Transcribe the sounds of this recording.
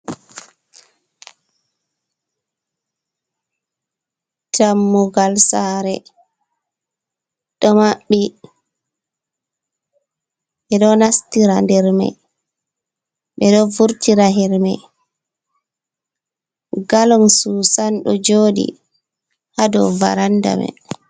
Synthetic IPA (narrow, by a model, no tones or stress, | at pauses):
tʰamːuɡalsaːɾɛ̰ | ɗɔmaɓːi | ɓɛɗɔnastiɾandɛɾmɛ̰ | ɓɛɗɔvuɾtiɾaɦɛɾmɛ̰ | ɡalɔnsuːsanɗɔd͡ʒoːɗḭ | hadɔ̰va̰ɾanda̰mɛ̰